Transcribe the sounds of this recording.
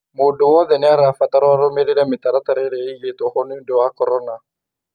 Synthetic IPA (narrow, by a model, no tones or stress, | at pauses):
mʊdʊwɔðɛnɪaɾafat̪aɾɔaɾomeɾeɾɛmɪt̪aɾat̪aɾɛɾeijet̪ohonɪdɔwakɔɾɔna